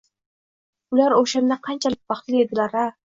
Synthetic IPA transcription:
ʊlaɾoʃamd̪aqʰɑnt͡ʃʰalɪk̚bɑχt͡ʃ̪lied̪ɪlaɾa

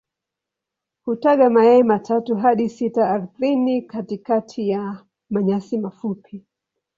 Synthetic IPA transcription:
hutaɠamaɛmatʰatuɦaɗisitaːɾuθinikatikatʰija | maɲasimafupʰi

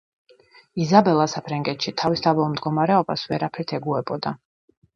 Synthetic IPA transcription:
izabɛlˠasapʰɾaŋɡɛt̪ʃit̪ʰavisd̪avɛɔmd̪ɡɔmaɾɛɔba̰svɛɾapʰɛɾt̪ʰɛɡuɛbɔd̪a

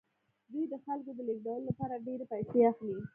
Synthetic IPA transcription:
d̪ujd̪əxalkod̪əlek̚ɖawlolapɑɾaɖeɾepajseaxli

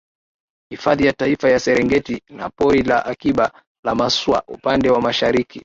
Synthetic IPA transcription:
hifaðijataifajasɛɾɛŋɡɛtina̰pɔɾilaʔakiɓa | lamaswa̰ʔṵpandɛwamaʃaɾiki

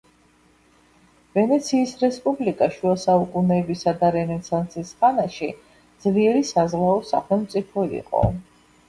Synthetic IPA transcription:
vɛnɛt̪sʰiːsɾɛspʼublikʼaʃuasaukʼunɛːbisad̪aɾɛnɛsʰant̪sʰisχanaʃi | d̪z̥liɛɾisazlaɔsaχɛlˠmt̪sʼipʰɔḭqʼɔ̰

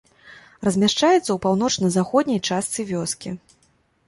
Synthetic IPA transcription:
rɐzʲmʲaʂt͡ʂajɛt̪sːɐwpawn̪ɔt͡ʂnɐzaxɔd̪ʲnʲɐjt͡ʂast̪sɨvʲɔskʲi

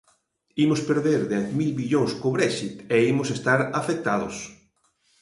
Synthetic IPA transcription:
imospeɾðeɾðɛθmilβiʎoŋskoβɾɛʃit̪eimʊsest̪aɾafek̚t̪aðʊ̰s

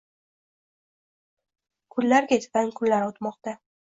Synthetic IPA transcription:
kʰʊlːaɾkʲet̪ʲankʰʊnlaɾɒwt̪mɒqt̪a

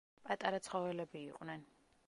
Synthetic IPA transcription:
pʼat̪ʼaɾat̪sʰχɔvɛlɛbiːqʼwnɛn

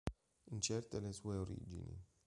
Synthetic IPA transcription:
ɨnt͡ʃert̪elesueoɾḭd͡ʒḭnḭ

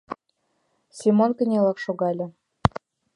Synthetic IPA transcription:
sʲimonkə̆nʲelɑkʃoɣɑlʲɤ̆

